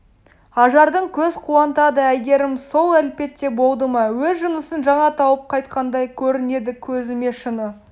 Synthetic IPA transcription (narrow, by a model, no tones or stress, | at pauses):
ɑʒɑɾd̪əɴkʲʰɵzqʰuwɑnt̪ɑd̪əæjɡʲe̞ɾɪmso̞lˠælpe̞t̪ːe̞bo̞lˠd̪əmɑwɵzʒʊnəsənʒɑɴɑt̪ʰɑwəp̚qʰɑjt̪̚qɑnd̪ɑjkʲʰɵɾɪne̞d̪ɪkʲʰɵzɪme̞ʃənə